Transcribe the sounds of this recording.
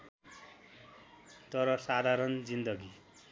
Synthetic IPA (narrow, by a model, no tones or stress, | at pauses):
t̪ʌɾʌsad̪ʱaɾʌnd͡zind̪ʌɡi